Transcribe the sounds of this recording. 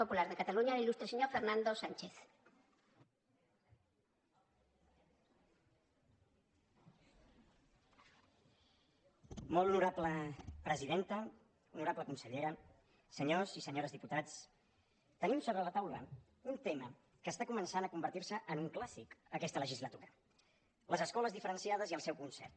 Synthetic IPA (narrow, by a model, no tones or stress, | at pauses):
opulaɾðəkət̪aluɲalilust̪ɾəseɲofeɾnãnd̪osant͡ʃeθ | molˠunuɾapləpɾəziðent̪ə | unuɾapləkunsəʎeɾə | səɲozisəɲoɾəzðiput̪at͡s | t̪ənimsoβɾələt̪awlə̰ | unt̪emə | kəst̪akumənsanəkumbəɾt̪iɾsəʔənuŋklasikəkɛst̪ələʒizlət̪uɾə | ləzəskɔləzðifəɾənsiað̞əziəlˠsɛwkunsɛ̰rt̪